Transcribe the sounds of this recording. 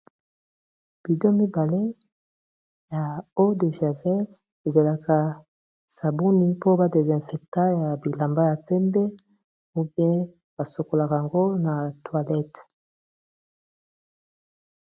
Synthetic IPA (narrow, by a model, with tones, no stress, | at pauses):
b̥i˨do˦mi˦ba˨le˦ | ja˨o˦de˨ʒa˨vɛ˦l | e˨za˨la˨ka˨ | sa˨bu˦ni˦po˦ba˨de˨zɛ̃˨fɛ˨k̚ta˦ja˨bi˨la˨mba˦ja˨pɛ˦mbɛ˦ | u˦bɛ˦ | ba˨so˨ko˨la˨ka˨a˨ŋɡo˦na˨twa˨lɛ˦t